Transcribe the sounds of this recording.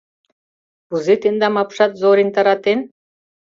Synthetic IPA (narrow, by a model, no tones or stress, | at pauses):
buzet̪end̪amapʂat̪zoɾint̪aɾat̪en